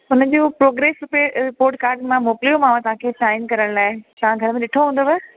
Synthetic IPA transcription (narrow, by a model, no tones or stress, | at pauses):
ʊnə̆d͡ʑoːpɾoːɡɾeːsɾʊpepoːʈ̚kaːɾɖmãmoːkɪlijomãːʋãt̪ɐɦãkʰeːsaːɪnkɐɾəɽ̃laːɪt̪ɐʋ̤ãɡʱɐɾəmẽɗɪʈʰoɦũːn̆d̪obɛ